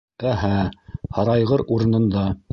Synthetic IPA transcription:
æɦæhɑɾɑjʁɤɾuɾɤ̆nɤ̆nd̪ɑ

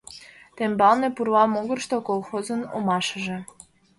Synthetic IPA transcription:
t̪embɑlnepuɾlɑmoɣərʃt̪okolˠxozənomɑʃəʒe̽

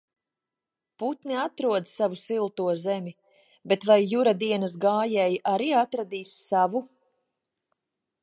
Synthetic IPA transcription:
put̪niat̪ɾuɔd̪ssavusilˠt̪uɔzɛmʲi | bet̪vajːuɾad̪iɛnɐs̬ɡaːjɛjʔaɾiːat̪ɾad̪iːsːavu

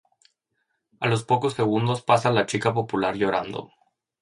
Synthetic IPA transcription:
alo̞spo̞ko̞sse̞ɣ̞und̪o̞spasalat͡ʃikapo̞pulaɾʝo̞ɾand̪o̰

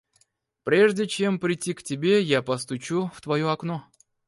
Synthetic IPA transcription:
pɾʲe̞ʐdʲɪt͡ɕe̞mpɾʲɪtʲːiktʲɪbʲe̞japɐst̪ʊt͡ɕuft̪vɐjoɐkno

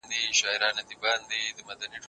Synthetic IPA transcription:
nd̪iʃaːiɾaːnɐd̪ibaːnd̪id̪əmɐd̪ɐniʈʰ

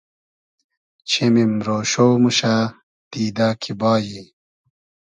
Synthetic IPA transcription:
t͡ɕʰemimɾoːɕoːmuɕa | d̪̥iːd̪aːkʰibaːji

